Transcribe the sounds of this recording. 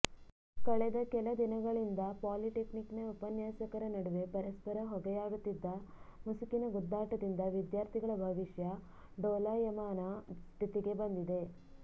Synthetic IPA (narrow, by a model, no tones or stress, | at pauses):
kɐɭɛd̪ɐkɛlɐd̪inɐɡɐɭind̪ɐpaːliʈekniknɐupɐnjaːsɐkɐɾɐnɐɽuʋe̞pɐɾɐspɐɾɐɦɔɡɐjaːɡut̪ːid̪ːɐmusukinɐɡud̪ːaːʈɐd̪ind̪ɐʋid̪jaːɾt̪ʰiɡɐɭɐbʱɐʋiʃjɐ | ɖoːlaːjɐmaːnast̪ʰit̪iɡe̞bɐnd̪id̪e̞